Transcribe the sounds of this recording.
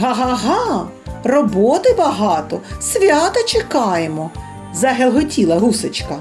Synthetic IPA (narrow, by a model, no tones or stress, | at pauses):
ɦɑɦɑɦɑ | rɔbɔt̪ɪbɐɦɑt̪ɔsʲʋʲat̪ɐt͡ʃekɑjemɔ | zɐɦelˠɦɔtʲilˠɐɦusɔt͡ʃkɐ